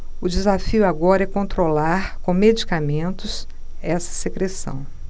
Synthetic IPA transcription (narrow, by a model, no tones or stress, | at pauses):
ʊd͡ʒɪzafiʊaɡɔɾɐɛkõnt̪ɾolaɾkõmed͡ʒikamẽnt̪ʊs | ɛsɐ̥sekɾesɐ̰̃w̃